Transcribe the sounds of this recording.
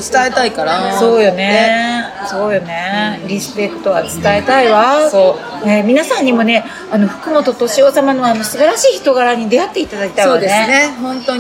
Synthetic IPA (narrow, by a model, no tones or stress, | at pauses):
t͡sɨ̥t̪aet̪aikaɾaso̞ːjone̞ | so̞ːjone̞ɾʲiset̪ːo̞βat͡sɨ̥t̪ae̞t̪aiβasoː | ne̞mʲinasãɲ̟ːimo̞ne̞ | ano̞ɸɯ̥kɯ̟mo̞t̪o̞t̪oɕio̞ːsamano̞ano̞sɨbaɾaɕiːçi̥t̪o̞ɡaɾaɲ̟id̪e̞at̪ːe̞it̪ad̪akʲi̥t̪aioːd̪eenehõ̞nt̪oɲ